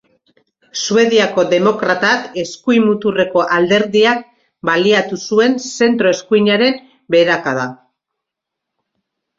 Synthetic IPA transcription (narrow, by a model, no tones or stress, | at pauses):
sue̞ðiako̞ðe̞mo̞kɾat̪ake̞skujmut̪ure̞ko̞ʔald̪e̞ɾðiak̚ | baliat̪usue̞nse̞nt̪ɾo̞eskuiɲaɾe̞m | be̞ɾakaða